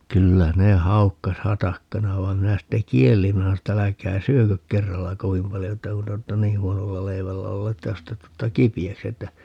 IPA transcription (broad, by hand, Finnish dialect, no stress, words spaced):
kylːæ ne hɑukːɑs hɑtɑkːɑnɑ ʋɑi̯m minæ sitːe kielːim minæ sɑno tː ælækæː syøkøk kerːɑlːɑ koʋim pɑljo etːæ kun te oːtːɑ nih̆ huonolːɑ leiʋælːæ olːeː tːæ jos te tutːɑ kipiæksi etːæ